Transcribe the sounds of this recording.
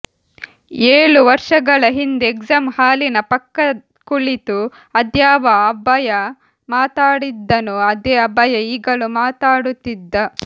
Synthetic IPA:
eːɭuʋɐɾʂɐɡɐɭɐɦind̪eekzamhaːlinɐpɐkːɐ | kuɭit̪u | ɐd̪jaːʋɐːbɐjɐ | maːt̪aːɽid̪ːɐnuɐd̪eːɐbɐjɐiːɡɐɭumaːt̪aːɽut̪ːid̪ːɐ

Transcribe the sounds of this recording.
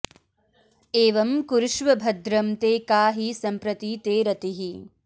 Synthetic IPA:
eːʋɐmkuɾuʃʋɐbʱɐd̪ɾɐmt̪eːkaːɦisɐmpɾɐt̪iːt̪eːɾɐt̪iɦi

